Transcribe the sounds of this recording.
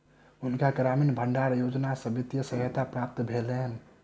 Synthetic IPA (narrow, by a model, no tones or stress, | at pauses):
ʊnkaɡɾaminbʱəɳɖaɾjod͡ʒnasəbit̪jəsəɦət̪apɾap̚t̪bʱeleɦn